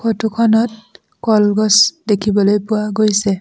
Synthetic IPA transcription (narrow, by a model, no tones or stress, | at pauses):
kʰotukʰɔnɔt̚ | kɔlɡɔsdekʰibɔlojpʊwaɡojsɛ